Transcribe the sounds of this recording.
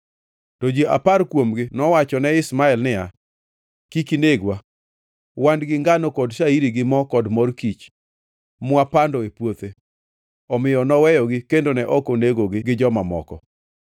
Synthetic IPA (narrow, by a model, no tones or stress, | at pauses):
tɔd͡ʒiʔa̰paɾkwomɡɪnɔwat͡ʃɔnɛɪsmaɛlnɪja | kikineɡwa | wandɡɪŋɡanokɔdʃaiɾiɡɪmɔkɔdmɔrkit͡ʃ | mʊapandɔepwot̪e | ɔmɪjɔnɔwɛjɔɡɪkendonɛʔɔkoneɡoɡɪɡɪd͡ʒɔmamɔ̰kɔ